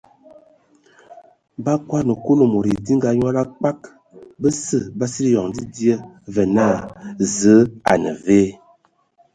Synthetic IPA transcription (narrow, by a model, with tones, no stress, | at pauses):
ba˦kwa˦nə˨ko˦lo˨mo˨ɾi˨di˦ŋ˦ɡa˨ɲwa˦la˦k͡pa˦k | bə˦sə˦ba˦si˦ɾi˦jɔ˨ŋdi˦di˦ə˦və˨na˦˨zə˨˦a̰˨nə̰˨ve˦